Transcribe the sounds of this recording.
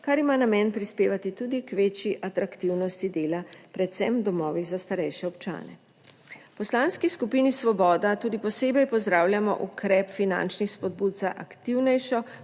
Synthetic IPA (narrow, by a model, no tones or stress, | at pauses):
kaɾimanamɛːnpɾispeːʋat̪it̪uːd̪ikʋeːt͡ʃjiʔat̪ɾakt̪iwnɔst̪id̪eːlapɾɛt̪sɛmd̪ɔmɔːʋizast̪aɾɛjʃɛɔpt͡ʃa̰ːnɛ̰ | pɔslaːnskiskupinisʋɔbɔːd̪at̪uːd̪ipɔseːbɛjpɔzd̪ɾaːwljamɔ̰ʔukɾɛːpfina̰nt͡ʃnixspɔd̪̚buːt̪̚saʔakt̪iwnɛjʃɔ